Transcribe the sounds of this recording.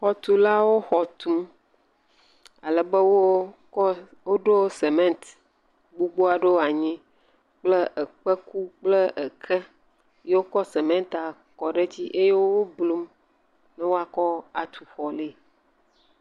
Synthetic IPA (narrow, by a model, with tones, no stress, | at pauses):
xɔ˨t̪u˨la˦wo˦xɔ˨t̪u˦m | a˨lɛ˨bə˦wo˦kɔ˦ | wo˦ɖo˦se˨mɛ̃˦nt̪ | ɡ͡bu˦ɡ͡bo˦a˨ɖo˦˨a˨ɲĩ˦ | k͡plə˦ʔə˨k͡pə˦ku˦k͡plə˦ʔə˨kʰɛ˦ | je˦wo˦kɔ˦se˨mɛ̃˦nt̪a˨ | kɔ˨ɖe˦d͡ʑi˦ʔe˦je˦wo˦wo˦blu˦m | nɛ˦wo˦a˨kɔ˦a˨t̪ʰu˨xɔ˨le˦˨